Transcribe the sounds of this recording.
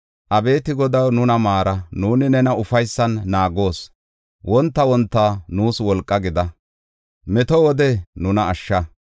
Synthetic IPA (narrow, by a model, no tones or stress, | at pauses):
ʔɐbe̞ːt̪ɪɡɔd̪ɐwnʊnɐmaːɾɐnuːnɪnɛnɐʊfɐjsːɐnːaːɡo̞ːs | wʔɔnt̪ːɐwɔnt̪ːɐnuːswɔlkʼːɐɡɪd̪ɐ | mɛt̪ɔwɔd̪ɛnʊnɐːʃːɐ